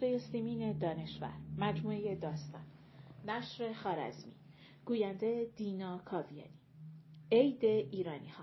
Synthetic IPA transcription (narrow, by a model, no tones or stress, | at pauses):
ejesimiːned̪ɒːne̞ʃvæ̰ɾmæd͡ʒmuːe̞je̞d̪ɒːst̪ɒ̰nː | æʃɾe̞xɒːɾæ̰zmḭ | ɡ̥uːjænd̪ed̪iːnɒːkʰɒːvijɒ̰ːni | ejd̪e̞ʔiːɾɒːnihɒ